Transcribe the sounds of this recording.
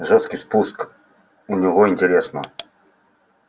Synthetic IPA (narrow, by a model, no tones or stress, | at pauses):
ʐɔst̪kʲɪjspusk | ʊnʲɪvoɪnʲtʲɪɾʲesnə̰